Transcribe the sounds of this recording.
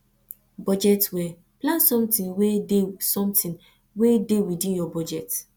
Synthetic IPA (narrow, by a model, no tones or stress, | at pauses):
bɔd͡ʒɛtwɛ | plãnsɔ̃mtĩnwedesɔ̃mtĩn | wedewidĩnjɔbɔd͡ʒɛt